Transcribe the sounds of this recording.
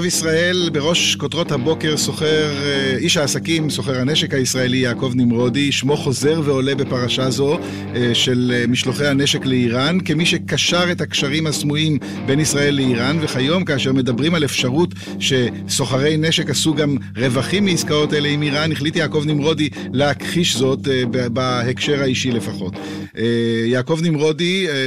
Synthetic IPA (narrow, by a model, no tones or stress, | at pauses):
visʁae̞lbeʁo̞ʃkotʁo̞thabo̞ke̞ʁsoχeʁiʃhaːsakimso̞χe̞ʁhane̞ʃe̞khaisʁae̞lijaːko̞vnimʁo̞diʃmo̞χo̞ze̞ʁveo̞le̞be̞paʁaʃazo̞ | ʃe̞lmiʃloχejhane̞ʃe̞kleiʁankemiʃe̞kaʃaʁe̞takʃaʁimhasmuim | be̞nisʁae̞lːeiʁanve̞χajo̞mkaːʃe̞ʁme̞dabʁimalefʃaʁut | ʃe̞ | so̞χaʁe̞jneʃe̞kasuɡam | ʁe̞vaχimːiiskao̞tae̞le̞imiʁaniχlitijaːko̞vnimʁo̞di | leakχiʃzo̞tbbahe̞kʃe̞ʁaiʃile̞faχo̞t | jaːko̞vnimʁo̞di